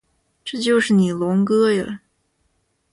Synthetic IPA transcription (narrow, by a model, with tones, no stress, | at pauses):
ʈ͡ʂɤ˥˩˧t͡ɕjo˥˧ʊʂɻ̩˥˩ni˨˩lʊ˧˥ŋkɤ˥jə˨˩